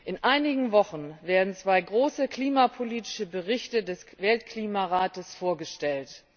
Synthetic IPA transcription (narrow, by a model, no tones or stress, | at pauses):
ʔɪnʔaɪnɪɡŋ̩vɔχn̩veːɐdn̩t͡sv̥aɪɡʁoːsəkl̥iːmapʰoliːtɪ̥ʃəbəʁɪçtədɛsvɛltkl̥iːmaʁaːtəsfoːɐɡəʃtɛlt